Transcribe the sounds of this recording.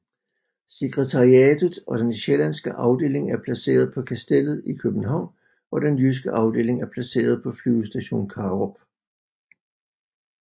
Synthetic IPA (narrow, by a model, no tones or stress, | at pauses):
se̝ɡ̥ʁɛt͡sʰɑ̈ʁiɛːd̥ð̩ˠɒ̽ɾ̥enɕelænsɡ̥əʔɑ̈ʊd̥e̝̰ːle̝ŋæɐpʰlæse̝̰ːɐð̞̩ˠpʰɒ̽kʰæsd̥el̰ð̞̩ˠikʰøb̥n̩ɦɑ̈ʊ̰n | ʔɒ̽d̥enjys̬ɡ̥əʔɑ̈ʊd̥e̝̰ːle̝ŋæɐpʰlæse̝̰ːɐð̞ˠpʰɒ̽flyʊsd̥æɕo̝̰ːnkʰɑːʁɒb̥̚